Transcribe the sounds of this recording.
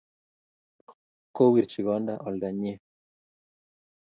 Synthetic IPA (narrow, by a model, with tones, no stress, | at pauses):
ko˦wi˨ɾt͡ʃi˨ɡɔ˨˦nda˦ʔɔ˨lda˨ɲe˦